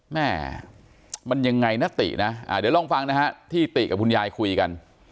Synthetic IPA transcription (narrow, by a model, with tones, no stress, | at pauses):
mɛː˥˩ | ma˧nja˧ŋːa˧jna˦˥t̪ḭ˨˩ʔna˦˥ʔa̰ː˧˩diː˨˩˦wlɔː˧˩ŋfa˧ŋna˦˥kʰa˦˥t̪ʰiː˥˩t̪i˨˩ka˨˩p̚kʰu˧njaː˧jkʰu˧jka˧n